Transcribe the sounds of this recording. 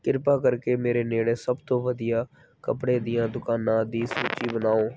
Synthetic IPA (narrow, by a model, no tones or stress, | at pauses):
kɪɾpaːkəɾkeːmeːɾeːneːɽeːsəbt̪õːʋəd̪ijaː | kəpɽẽːd̪ɪjãːd̪ʊkaːnãːd̪iːsuːt͡ʃiːbənaːõː